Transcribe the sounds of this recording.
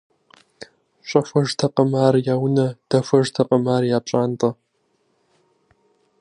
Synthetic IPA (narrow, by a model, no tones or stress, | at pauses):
ɕʷʼɐfʷɐʒtʰɐqʼəmaːrjaːwnɐd̥ɐfʷɐʒtʰɐqʼəmaːrjaːpɕʼaːntʼɐ